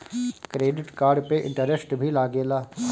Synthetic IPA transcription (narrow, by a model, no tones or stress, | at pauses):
kɾeːɖɪʈkaːɾɖpeʔɪ̰̃ɳʈəɾəsʈbʱilaːɡeːlaː